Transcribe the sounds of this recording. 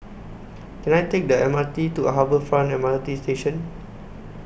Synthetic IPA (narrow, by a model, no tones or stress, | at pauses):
kɛ̃najtek̚dəɛmatituəɦavəfɹãnɛmaltisteʃə̃n